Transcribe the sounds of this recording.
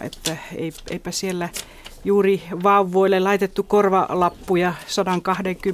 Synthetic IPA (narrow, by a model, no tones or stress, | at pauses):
ḛt̪ːæḛiḛipæsielːæ | juːriʋɑuʋːoilːelɑit̪et̪ːukorʋɑlɑpːujɑsɑdɑŋkɑhdeŋky